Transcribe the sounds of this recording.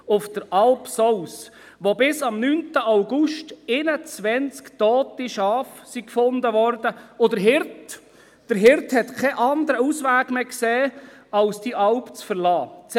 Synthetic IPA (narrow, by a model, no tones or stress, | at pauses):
ʊfd̥əɾʔɑlpsɔws | ʋobɪsɑmnyntəʔaʊɡʊʃtɪnət͡sʋɛnt͡skt̪ɔːt̪iʃɑːfsikfʊnd̪əʋɔɾdəʊd̪əɾɦɪɾt | d̥əɾɦɪɾt̪hɛt̪kʰɛʔɑnd̪əɾəusʋæːɡmeːkseː | ɑlsd̥iʔɑlpt͡sfəɾlɑːt͡s